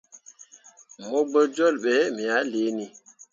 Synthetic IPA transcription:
mo˦ɡ͡bə˦d͡ʒo˦˨lɓɛ˨˦mi˨ja˨˦le˨˦ni˦

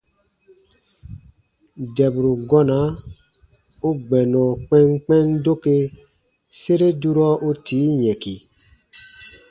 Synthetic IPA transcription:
dɛ˨bɾu˨ɡɔ˦na˨˦ | o˦ɡ͡bɛ˨nɔ̃˨k͡pɛ̃˦ŋk͡pɛ̃˦ndo˦ke˦ | se˦ɾe˦du˦ɾɔ˦o˦tʰiː˨˦ɲɛ̃˨ki˨

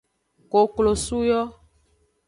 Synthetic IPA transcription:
ko˨klo˨su˦jɔ˦

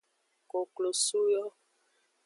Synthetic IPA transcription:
ko˨klo˨su˦jɔ˦

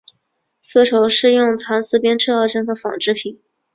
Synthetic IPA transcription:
sɹ̩˥˩ʈ͡ʂʰo˧˥ʊʂɻ̩˥˧jʊ˥˩ŋt͡sʰa˧˥nsɹ̩˥pjɛ˥nʈ͡ʂɻ̩˥˧ɑ˥˩ʊʈ͡ʂɤ˥ŋxə˧˥fɑ̰˨˩ŋʈ͡ʂɻ̩˥˩pʰi˨˩˦n

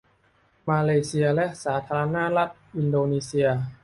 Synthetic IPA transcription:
maː˧leː˧si˧ɐlɛ˦˥ʔsaː˩˦t̪ʰaː˧ɾa˧na˦˥la˦˥t̪̚ʔi˧ndoː˧niː˧si˧ɐ

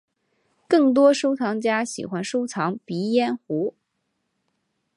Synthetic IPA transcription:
kɤ˥˩ŋt̪̬wɔ˥ʂo˥ʊt͡sʰɑ˧˥ŋt͡ɕja˥ɕḭ˨˩xwa˥nʂo˥ʊt͡sʰɑ˧˥ŋpi˧˥jɛ˥˩nxu˧˥

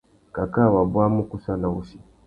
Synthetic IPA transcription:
ka˨ka˦˨wa˨bwa˦mu˦ku˦sa˦na˨u˦si˨

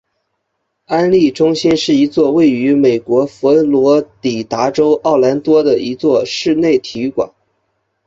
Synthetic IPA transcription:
a˥nli˥˩ʈ͡ʂʊ˥ŋɕi˥nʂɻ̩˥˩i˧˥t͡swɔ˥˧we˥˩ɪy˧˥me˨˩ɪkwɔ˧˥fɔ˧˥lwɔ˧˥t̪i˨˩t̪a˧˥ʈ͡ʂo˥ʊʔɑ˥˩ʊla˧˥nt̪wɔ˥d̪ə˨i˧˥t͡swɔ˥˧ʂɻ̩˥˧ne˥˩ɪt̪ʰi˧˥kwa̰˨˩˦n

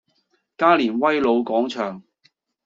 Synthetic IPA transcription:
kaː˥liː˨˩nwɐ˥jlo˨˧wkɔː˨˥ŋt͡ʃʰœː˨˩ŋ

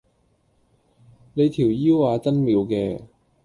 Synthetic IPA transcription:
ne˨˧jt̪ʰiː˨˩wjiː˥wːaː˨˧t͡sɐ˥nmiː˨˧wkɛː˧

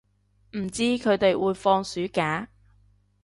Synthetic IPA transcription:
m̩˨˩t͡siː˥kʰɵ˨˧ɥt̪e˨jwuː˨˧jfɔː˧ŋsyː˨˥kaː˨˥

